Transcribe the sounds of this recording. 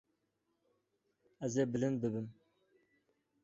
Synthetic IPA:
æzeːbɨlɨnbɨbɨm

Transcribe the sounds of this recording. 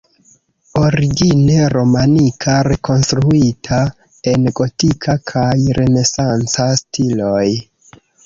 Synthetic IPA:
o̞ɾiɡine̞ɾo̞manikʰaɾe̞ko̞nstɾuitʰa | e̞nɡo̞tikʰakʰajɾʔe̞ne̞sant͡sastʰilo̞j

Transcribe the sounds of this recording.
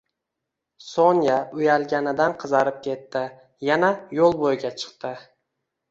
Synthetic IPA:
soŋjaʊjalɡʲanɪd̪anqʰɨzɑɾɪp̚kʲʰe̞t̪ːɪ | janajolˠbojɡʲat͡ʃʰɨ̥qt̪ɪ

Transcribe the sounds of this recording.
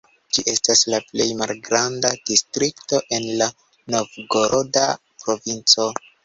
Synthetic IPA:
d͡ʒiʔe̞staslaple̞jmalɡɾandad̥istɾikto̞ʔe̞nla | no̞vɡo̞ɾʔoda | pɾo̞vint͡so̞

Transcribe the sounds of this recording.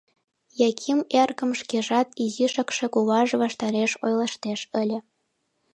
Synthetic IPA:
jɑkʲʰimerɣə̆mʃkeʒɑt̪iziʃə̆kʃĕkuβɑʒβɑʃt̪ɑɾeʃojlˠɑʃt̪eʃə̆lʲĕ

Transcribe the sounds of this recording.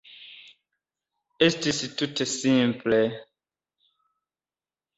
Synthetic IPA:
estisitutesĩmplɛ

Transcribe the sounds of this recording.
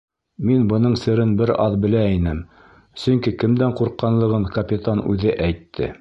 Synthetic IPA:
minbɤ̆nɤɴsɘ̆ɾɘnbɘɾɑðbɘ̆læinɘm | sɵ̆ŋkikɘ̆md̪æɴquɾqːɑnlˠɤ̆ʁɤɴkɐpʲit̪anʉ̰ðɘʔæjt̪ʰːɘ̰

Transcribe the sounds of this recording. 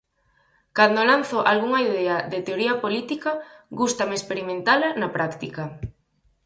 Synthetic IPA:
kand̪olanθoʔalɣuŋaiðeaðet̪eoɾiɐpolit̪ikɐɣust̪ɐmɪespeɾimẽnt̪alanapɾakt̪ikɐ

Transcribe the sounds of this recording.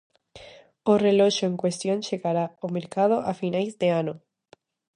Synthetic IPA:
oreloʃoeŋkwe̞st̪jonʃeɣaɾaomeɾkað̞oʔafinajzd̪eano

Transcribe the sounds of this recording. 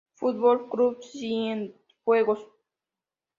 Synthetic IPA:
fut̪̚bolkɾupsien | xweɡos

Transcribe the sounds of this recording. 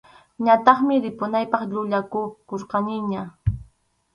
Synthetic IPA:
ɲat̪ɑχmɪɾɪpʊnajpɑχʎʊʎakʊkoɾqɑnɪɲa

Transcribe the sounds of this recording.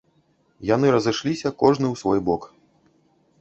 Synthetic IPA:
janɨɾɐzɨʂlʲisʲɐkɔʐnɨwsvɔjbɔk

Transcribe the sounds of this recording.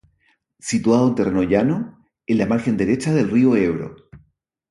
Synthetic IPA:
sit̪waðoent̪erʔeno̞ʝano | enlamaɾxend̪e̞ɾet͡ʃaðelrioeβɾo̰

